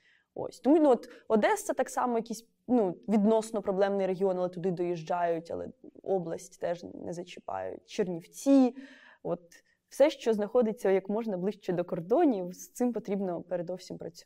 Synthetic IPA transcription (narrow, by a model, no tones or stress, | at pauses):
o̰sʲt̪ɔmunuɔt̪ɔd̪ɛst̪ːɐt̪ɑksɑmɔjɐkʲisʲ | nuʋʲid̪nɔsnɔpɾɔblˠɛmnɪjɾeɦʲiɔnɐlˠɛt̪ʊd̪ɪd̪ɔjiʒd͡ʒɑjʊtʲɐ̰lˠɛ̰ɔblˠɐsʲtʲt̪ɛʒnʔɛ̰zɐt͡ʃɪ̥pɑ̰jʊ̰tʲt͡ʃernʲiwt͡sʲi | ɔt̪̚ | w̥sɛʃt͡ʃɔznɐxɔd̪ɪt͡sʲːɐjɐkmɔʒnɐblˠɪʃt͡ʃɛd̪ɔkɔrd̪ɔnʲijist̪sɪmpɔt̪ɾʲibnɔpeɾed̪ɔwsʲimpɾɐt͡sʲ